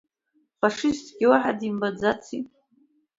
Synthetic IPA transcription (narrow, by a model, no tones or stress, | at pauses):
faʂɨstʰʼɡʲɪwaħadimbad͡zat͡sʰi